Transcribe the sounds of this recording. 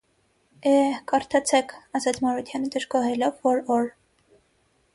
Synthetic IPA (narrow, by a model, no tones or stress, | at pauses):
ɛkɑɾt̪ʰɑt͡sʰɛkʰɑzɑt͡sʰmɑɾut̪ʰjɑnəd̪əʒɡɔɦɛlɔvːɔɾɔɾ